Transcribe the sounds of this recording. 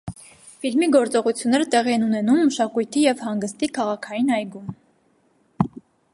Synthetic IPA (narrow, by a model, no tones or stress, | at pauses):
filmiɡɔɾt͡sɔʁut͡sʰjunːɛɾət̪ɛʁiɛnunɛnumːəʃɑkujt̪ʰijɛvhɑŋɡəst̪ikʰɑʁɑkʰɑjinɑjɡum